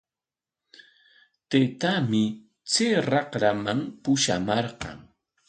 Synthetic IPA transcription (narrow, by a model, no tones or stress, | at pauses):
t̪et̪amɪ | t͡seːɾɑqɾamaŋpʊʃa̰mɑɾqɑ̰ŋ